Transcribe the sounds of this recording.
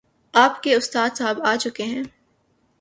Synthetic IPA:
aːpkeʊst̪aːd̪saːbaːt͡ʃʊkeɦɛ̃ː

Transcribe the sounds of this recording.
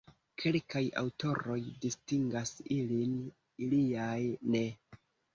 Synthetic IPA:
kʰe̞lkaja̰wtʰo̞ɾo̞jdistiŋɡasilin | iliajne̞

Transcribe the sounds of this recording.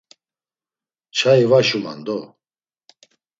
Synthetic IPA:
t͡ʃʰaivaʃuma̰nd̪ɔ

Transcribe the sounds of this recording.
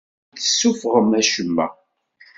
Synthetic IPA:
θəsːufʁəmæʃəmːæ̰

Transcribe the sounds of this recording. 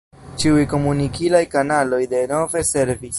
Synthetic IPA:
t͡ʃiujko̞munikʰilajkanalo̞jde̞no̞ve̞se̞ɾvis

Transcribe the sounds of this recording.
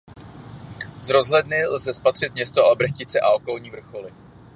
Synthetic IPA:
zɾo̞zɦlɛdnɪlzɛspat̪r̝̥ɪt̪mɲɛst̪oʔabɾ̩xcɪt͡sɛʔaokolɲiːvr̩xo̞lɪ

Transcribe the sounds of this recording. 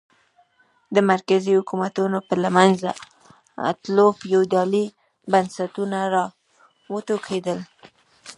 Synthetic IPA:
d̪əmaɾkazihʊkumat̪unopəlamanza | a̰t̪lofjowd̪ɑli | bansat̪unaɾɑ | wət̪okʰed̪əl

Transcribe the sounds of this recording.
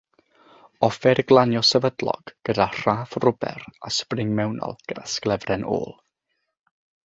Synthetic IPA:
ɔfɛɾɡlˠanjɔsɛvədlˠɔ̰ɡ̥ɡ̥ədar̥aːfrʊbɛ̰ɾa̰sprɪŋmɛwnɔ̰lˠɡ̥ədasklˠɛvrɛnʔo̰ːlˠ

